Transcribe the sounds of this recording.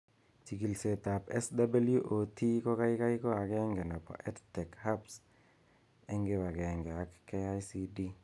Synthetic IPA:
ti˨ki˨lse˨ta˨pɛ˦sda˦ba˦lju˦ʔo˨tʰi˦kɔ˦ka˦jka˦jkɔ˦a˨kɛ˦ŋɡe˨nɔ˨pɔ̰˨ʔɛ˦ttɛ˨kha˦ps | ɛ˦ŋɡe˦wa˨kɛ˨ŋɡɛ˨a˨kke˦a˦jsi˦di˦

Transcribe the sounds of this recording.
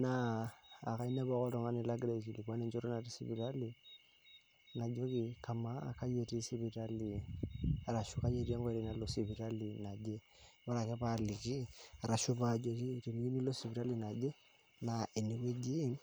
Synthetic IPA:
na̰ː˦˨ | ka˨i˦nɛ˦bɔ˦kɔ˦tɔ˨ŋa˦ni˦la˦ɡɾa˨i˨t͡ʃi˨li˨kwa˦ni˦ɲt͡ʃɔ˦ɾɔ˦na˨ti˦si˦bi˨ta˦li˨ | na˨d͡ʒo˦ki˨kʰa˨ma˦ka˦je˨ti˦si˦βi˨ta˦li˨ | a˨ɾa˨ʃu˦ka˦je˦ɾi˦a˦ŋɡɔ˦ɛ˦ɾi˨na˦lo˨si˨βi˨ɾa˦li˨na˨d͡ʒe˦ | ba˦ɾa˨kɛ˦pa˦li˨ki˦a˨ɾa˨ʃu˦pa˦˨d͡ʒo˨ki˦ti˨ni˦ki˦ni˦lo˦si˨bi˨ɾa˦li˦˨na˨d͡ʒe˦ | na˨e˨ni˨ke˦d͡ʒi˦n

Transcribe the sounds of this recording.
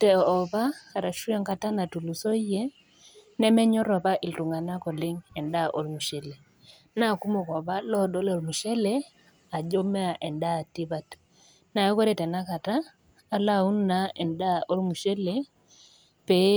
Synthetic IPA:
tɛ˨ɔ˨βa˦ka˨ɾa˨ʃu˦ɛ˦ŋka˦ta˦na˨tu˨lu˨so˦jɛ˦ | nɛ˦mɛ˦ɲɔ˦ɾɔ˨pa˦ʔi˨ltu˨ŋa˨na˦kɔ˨lɪ˦ŋɛ˨nda˦ʔo˦lmu˨ʃe˨le˨ | na˦˨ku˦mo˨kɔ˨βa˦lɔ˦dɔ˦lɔ˨lmu˨ʃɛ˦lɛ˦ | a˨d͡ʒo˦me˦a˨ʔɛ˨nda˦˨ti˦βa˦t | na˨˦kɔ˦ɾe˦tɛ˨na˦ka˨taː˦ | la˦˨u˦nna˦ɛ˨nda˦ʔo˦lmu˨ʃɛ˦le˨ | pɛ˨˦

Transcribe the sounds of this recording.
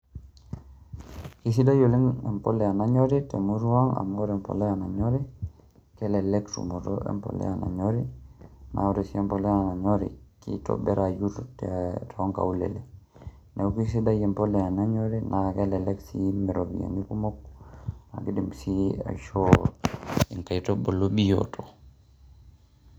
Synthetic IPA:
ki˦s̬i˦da˦jo˨li˦ŋe˨mpo˦lɛ˨a˨na˦ɲo˦ɾi˦te˨mu˦ɾu˦wa˦ŋa̰˨mo˦ɾɛ˨mpo̰˨le˦a˨na˨ɲo˦ɾi˦ | kɛ˦lɛ˨le˦ktṵ˨mo˨toʔḛ˦mpo̰˨lḛ˦a˨na̰˨ɲoɾi˦na̰˨u˦ɾe˨si˦ɛ˦mpo˨le˦ana˨ɲo˦ɾḭ˨ki˦to̰be˦ɾa˨ju˦ɾtetoo˦ŋka̰˨ulḛlɛ | ne˨uki˦s̬i˦da˦jɛ˨mpolɛa˨na˦ɲoɾinʔakelɛ˨leksimɛ˨ɾobia̰˨ni˦ku˦mo˦k̚na̰˨ki˦dimsia̰˨ʃo | i˨ŋka˨itobo˨loɓi˦jo̰tʰo

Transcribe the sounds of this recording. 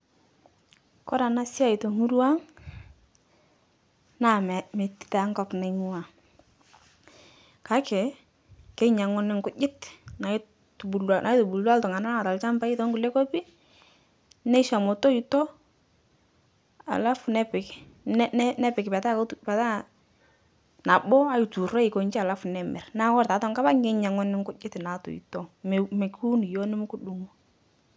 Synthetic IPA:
kɔ˦ɾa˨na˦sɪ˦a˦˨i˨to˨ŋu˦ɾu˦a˦ŋ | na˨mɛ˨me˨ti̥˨ta˨˦ŋkɔ˦pne˨ŋu˦wa˨ | ka˦kɪ˨ | ke˦ɲa˨ŋʊ˦nɪ˦ŋkʊ˦d͡ʒɪ˦tna˨˦ | tbu˨la˨nʔa˨jtu˨bu˨lwa˦ltɔ˨ŋa˨na˦a˦a˨ta˨lt͡ʃa˦mpa˦i˦tɔ˦ŋɡu˨le˦ko˦pi˦ | nɛ˦ʃa˨mɔ˨to˦i˨tɔ˦ | a̰˨la˦fʊ˨nɛ˦pɪ˨k | n˦nɛ˦pɪ˨kɪ˨pa˨ta˦kpɛ˨ta˦ | na˨bɔ˦a˦i˨tu˨rɔ˦ɪ˨ko˨ɲt͡ʃa˨la˦fnɛ˨mɛ̰˨rna˦kɔ˦ɾta˨tɔ˦ŋka˦ba˦ŋɡe˦ɲa˨ŋɔ˦nɪ˦ŋkʊ˦d͡ʒɪ˦tna˨tʊ̰˨ḭ˨tɔ˦m˨me˨ku˦n˨jo˦nɪ˦mʊ˦kʊ˦ɗu˨ŋu˦

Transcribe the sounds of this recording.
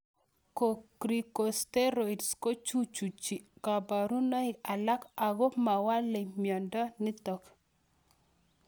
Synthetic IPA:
ko˨kɾi˨ko˨ste˦ɾo˨i˨dsko˦t͡ʃu˦t͡ʃu˨t͡ʃi˨ka˨ba˨ɾu˦nɔ˦i˦a˨la˦ka˨ɣɔ˦ma˨wa˦le˨mjɔ˨ndɔ˦ni˦tɔ˨k

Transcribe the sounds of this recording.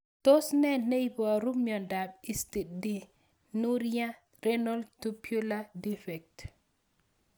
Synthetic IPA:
to˦snɛ˦˨nnːe˦i˦pɔ˨a˨ɾu˦mjɔ˨nda˨bi˦sti˨tdi˦ | nu˦ɾja˦ | ɾe˦nɔ˦ltu˦pju˦la˦di˦fɛ˨k̚t

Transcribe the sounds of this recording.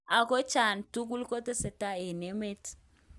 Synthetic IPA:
a˨ko˦t͡ʃa˨ntu˦k̬u˦lko˦te˦se˨ta˦e˨ne˦me˦t

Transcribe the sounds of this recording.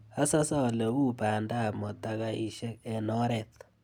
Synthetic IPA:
a˦sa˦sa˦˨lɛ˨u˦pa˨nda˦˨mɔ˨ta˦ka˦i˨ʃɛ˦kɛ˨nɔ˦ɾɛ˨t̪

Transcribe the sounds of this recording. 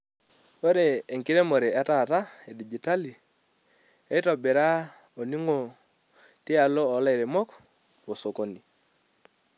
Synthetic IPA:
o˦ɾeː˨ŋki˦ɾe˦mo˨ɾe˨a˨ta˦˨ta˦e˨di˨d͡ʒi˨ta˦li˨ | e˦ɪ˦tɔ˨bɛ˨ɾa˦ | o˨ni˦ŋo˨ | tɪ˦a˨loː˦˨˦la˦˨ɾe˨mɔ˦k | po˨so˨ko˦ni˨

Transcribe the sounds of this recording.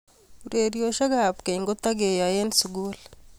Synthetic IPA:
u˨ɾe˨ɾjo˨ʃa˦ɡa˦˨pke˨ŋɡo˦t̪a˦ɡe˨ja˨e˦nsu˨ɡu˦l

